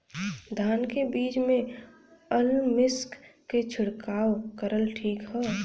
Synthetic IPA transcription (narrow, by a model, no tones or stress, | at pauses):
d̪ʱaːnkebiːt͡ʃmẽ | əlmɪskː | et͡ʃʰʊɽkaːwkəɾəlʈʰiːkɦɛː